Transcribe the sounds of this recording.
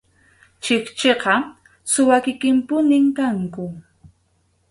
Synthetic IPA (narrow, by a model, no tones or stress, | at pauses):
t͡ʃɪkt͡ʃeqɑ | sʊwakɪkɪmpʊnɪmkaŋkʊ